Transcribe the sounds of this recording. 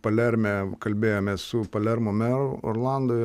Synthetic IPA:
pɐlʲɛɾʲmʲɛkɐlʲbʲeːjoːmʲeːssʊpɐlʲɛɾmoːmʲɛɾoo̰rlˠɑˑnd̪oɪ

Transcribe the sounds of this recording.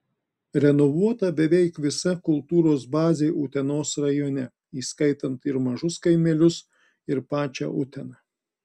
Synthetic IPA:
ɾʲɛnɔʋuɔt̪ɐbʲɛʋʲɛɪkʋʲɪsɐkʊlˠt̪uːɾoːsbɑːzʲeɪʔʊt̪ʲɛnoːsɾɐjoːnʲɛ | iːskɐɪt̪ɐnt̪ɪɾmɐʒʊskɐɪmʲɛlʲʊs | ɪɾpɑːt͡ʃʲɛ̰ʔʊt̪ʲɛnɑː

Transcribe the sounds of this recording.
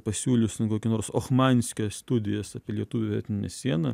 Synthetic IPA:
pɐsʲuːlʲʊsʲt̪ʲnkoːkʲɪnoːɾsoxmɑnʲsʲkʲoːsst̪ʊd̪ʲɪjɛsɑːpʲelʲiɛt̪uːʋʲɪʋʲɛ̰t̪ʲɪnʲɪnʲɛsʲiɛnɐ

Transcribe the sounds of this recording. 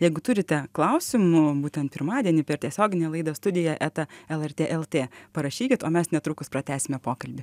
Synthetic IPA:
jɛɪɡʊt̪ʊɾʲɪt̪ʲɛklˠɐʊsʲɪmʊbuːt̪ʲɛnt̪pʲɪɾmɑːd̪ʲiɛnʲɪpʲɛɾt̪ʲiɛsʲoːɡʲɪnʲɛlˠɐɪd̪ost̪ʊd̪ʲɪjɛʔæt̪ɐɛlˠɛrʲt̪ʲeːʔɛlˠt̪ʲeːpɐɾɐʃʲiːkʲɪt̪oːmʲɛsnʲɛt̪ɾʊkʊspɾɐt̪ʲæːsʲɪmʲɛpoːkɐlʲbʲɪ

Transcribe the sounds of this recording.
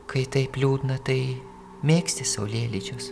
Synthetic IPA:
kɐɪt̪ɐɪpʲlʲuːd̪ʲnɐt̪ɐɪ | mʲeːksʲt̪ʲɪsɐʊlʲeːlʲit͡ʃʲʊs

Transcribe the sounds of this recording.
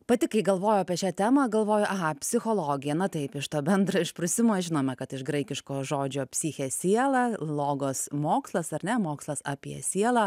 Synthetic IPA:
pɐt̪ʲɪkɐɪɡɐlˠʋoːjoɑːpʲiɛʃʲæːt̪ʲæːmɐɡɐlˠʋoːjoʔɐɣɐpʲsʲɪxoːlˠoːɡʲɪjɛnɐt̪ɐɪpɪʃt̪oːbʲɛnd̪ɾɐɪʃpɾʊsʲɪmoːʒʲɪnoːmʲɛkɐt̪ɪʃɡɾɐɪkʲɪʃkoːʒoːd͡ʒʲoːpʲsʲiːxʲeːsʲiɛlˠɑːlˠoːɡoːsmoːkslˠɐsɐɾnʲɛmoːkslˠɐsɑːpʲiɛsʲiɛlˠɐː

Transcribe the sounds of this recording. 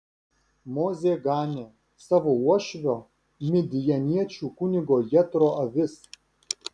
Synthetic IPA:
moːzʲeːɡɑːnʲeː | sɑʋoːuɔʃʲʋʲoː | mʲɪd̪ʲɪjɛnʲiɛt͡ʃʲuːkʊnʲɪɡoːjɛt̪ɾoːʔɐʋʲɪs

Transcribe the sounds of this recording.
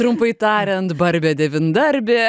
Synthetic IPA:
ɾʊmpɐɪt̪ɑːɾʲɛnt̪bɐɾʲbʲɛːd̪ʲɛʋʲɪnd̪ɐɾʲbʲeː

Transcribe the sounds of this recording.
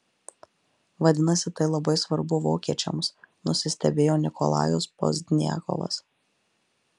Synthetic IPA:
ʋɐd̪ʲɪnɐsʲɪt̪ɐɪlˠɐbɐɪsʋɐɾbʊʋoːkʲiɛt͡ʃʲɛmsnʊsʲɪsʲt̪ʲɛbʲeːjoːnʲɪkɔ̰lˠɑ̰ːjospo̰zʲd̪ʲnʲjæ̰ːkɔ̰ʋˠɐ̰s

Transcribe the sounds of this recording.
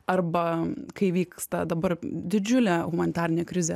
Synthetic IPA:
ɐrbɐkɐɪʋʲiːkst̪ɐd̪ɐbɐrd̪ʲɪd͡ʒʲʊlʲɛːɣʊmɐnʲɪt̪ɑːɾʲɪnʲeːkɾʲɪzʲe

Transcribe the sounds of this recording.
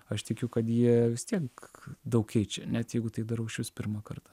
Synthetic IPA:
ɐʃt̪ʲɪkʲʊkɐt̪jiɛʋʲɪst̪ʲiɛkd̪ɐʊkʲkʲɛɪt͡ʃʲɛnʲɛt̪jɛɪɡʊt̪ɐɪd̪ɐɾɐʊʃʲʊspʲɪɾmɑkɐrt̪ɐ̥

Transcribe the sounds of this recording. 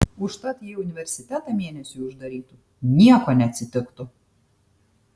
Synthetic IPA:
ʊʃt̪ɑt̪ʲjɛʊnʲɪʋʲɛɾʲsʲɪt̪ʲæt̪ɐmʲiɛnʲɛsʲuʊʒd̪ɐɾʲiːt̪ʊ | nʲiɛkonʲɛɐt̪ʲsʲɪt̪ʲɪkt̪ʊ

